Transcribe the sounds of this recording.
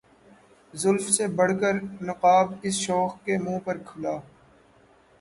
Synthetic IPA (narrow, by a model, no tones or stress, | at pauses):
zʊlfsebɐɽ̤kəɾnʊqaːbɪsʃɔːxkemũːpɐɾkʰʊlaː